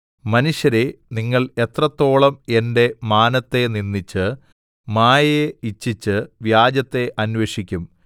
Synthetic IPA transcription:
mɐnuʂjɐɾe̞niŋːɐɭe̞t̪rɐt̪ːo̞ːɭɐme̞nde̞maːnɐt̪ːe̞ninːit͡ɕːɨ | maːjɐeit͡ɕːit͡ɕːɨʋjaːd͡ʑɐt̪ːe̞ʔɐnweʂikʲːum

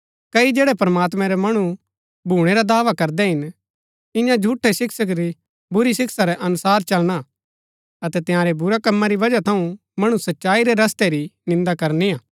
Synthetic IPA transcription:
kɐid͡ʒɛːɽɛpɐɾmaːt̪mɛ̃ɾɛmɐɽ̃u | bʱuːɽ̃eɾad̪aːʋakɐɾd̪ɛɦɪn | ɪ̃jãd͡ʒʱuːʈʰːɛsɪksək̬ɾi | bʊɾisɪksaɾɛʔɐnʊsaːɾt͡ʃɐlɽ̃a | ɐt̪ɛt̪ɪjãːɾɛbʊɾɛkɐmːaɾiʋɐd͡ʒat̪ʰɐũ | mɐɽ̃usɐtːʃaːiɾɛɾɐst̪ɛɾinɪ̃nd̪akɐɾniaː

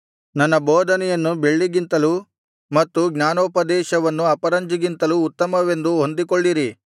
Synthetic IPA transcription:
nɐnːɐbɔːd̪ʱɐnɛjɐnːube̞ɭːiɡint̪ɐlu | mɐt̪ːuɡɲaːnoːpɐd̪ɛːʃɐʋɐnːuɐpɐɾɐɲd͡ʒiɡint̪ɐluːt̪ːɐmɐʋe̞nd̪uɦond̪ikoɭːiɾi

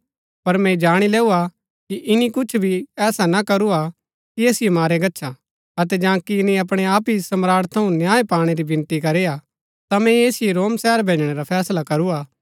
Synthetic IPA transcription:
pɐɾmɛ̃d͡ʒaːɽ̃ilɛːua | kiʔɪnikʊt͡ʃʰbʱiɛːsanakɐɾua | kieːsɪjemaːɾeɡɐtːʃʰa | ɐt̪ɛd͡ʒãːkiɪnĩɐp̬ɽ̃eaːpisɐmɾaːɾt̪ʰːɐũnjaːepaːɽ̃eɾibɪ̃nt̪ikɐɾeːja | t̪amɛ̃jeːsɪjeɾoːmsɛːəɾbʱẽːd͡ʒɽ̃eɾapʰɛːslakɐɾuaː

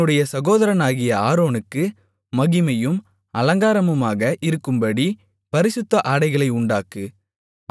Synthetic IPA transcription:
ɯɽɐjɐsɐɣoːðɐɾɐnaːɣɪjɐaːɾoːnɯkːɯ | mɐɣɪmɐjɯm | ɐlɐŋɡaːɾɐmɯmaːɣɐʔɪɾɯkːɯmbɐɽi | pɐɾɪsɯt̪ːɐʔaːɽɐɪɣɐɭɐɪʊɳɖaːkɯ

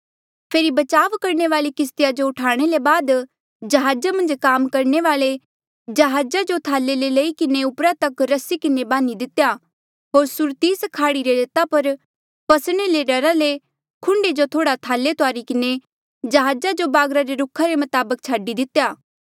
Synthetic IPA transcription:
pʰeːɾibɐt͡ʃaːʋkɐɾɳ̃eʋaːlikɪs̬t̪ɪjad͡ʒoʊʈʰaːɽ̃elebaːd̪ | d͡ʒɐɦaːd͡ʒamɐ̃nd͡ʒkaːmkɐɾɳeʋaːle | d͡ʒɐɦaːd͡ʒad͡ʒot̪ʰaːlːeleleːikɪneʊpɾat̪ɐkɾɐsikɪnebaːnid̪ɪt̪ja | ɦoːɾsʊɾt̪iːskʰaːɽiɾeleːt̪apɐɾ | pɐsɽ̃eleɖɐɾale | kʰʊ̃ɳɖed͡ʒot̪ʰoːɽat̪ʰaːlet̪ʊaːɾikɪne | d͡ʒɐɦaːd͡ʒad͡ʒobaːɡɾaɾeɾʊkʰaɾemɐt̪aːbək̚t͡ʃʰaːɖid̪ɪt̪ːejaː

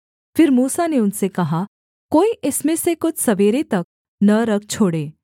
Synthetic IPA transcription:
fɪɾmuːsaneʊnsekɐɦa | koːiʔɪsmẽsekʊt͡ʃʰsɐʋeːɾet̪ɐk̚ | nɐɾɐk̚ʰt͡ʃʰoːɽeː

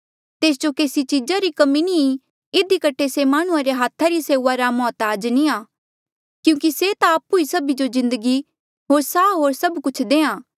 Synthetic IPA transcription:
t̪eːs̬d͡ʒokeːsit͡ʃiːd͡ʒaɾikɐmini | ɪd̪ikɐʈʰːesemaːɽ̃ʊ̃ãɾeɦaːt̪ʰaɾiseːʊʋaɾamɔːt̪aːd͡ʒnĩaː | kjũːk̬iset̪aːpuisɐbid͡ʒozɪ̃nd̪əɡi | ɦoːɾsaːɦoːɾsɐbkʊt͡ʃʰd̪eːãː

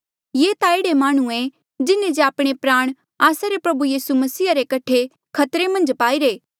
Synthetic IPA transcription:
jeːt̪aeːɽemaːɽ̃ũe | d͡ʒɪnẽd͡ʒeaːpɽ̃epɾaːɽ̃ | aːsaɾepɾɐbujiːsumɐsiːaɾekɐʈʰe | kʰɐt̪ɾemɐ̃nd͡ʒpaːiɾeː

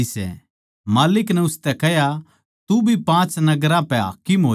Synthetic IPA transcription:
isɛ̰ | maːlɪknɛʊst̪ɛkɛɦja | t̪ubʱipãːt͡ʃnɐɡɾãpɛɦa̰ːkɪmɦoː

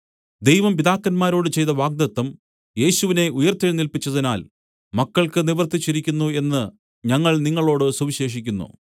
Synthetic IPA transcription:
d̪ejʋɐmpid̪aːkːɐnmaːɾo̞ːɽɨt͡ɕe̞jt̪ɐʋaːɡ̚d̪ɐt̪ːɐm | je̞ːɕuʋine̞ʔujɐrt̪ɐjnilpit͡ɕːɐðinaːl | mɐkːɐɭkɨniʋɐrt̪it͡ɕːiɾikʲːunːue̞nːɨ | ɲɐŋːɐɭniŋːɐɭo̞ːɽɨsuʋiɕe̞ːʂ̬ikʲːunːṵ

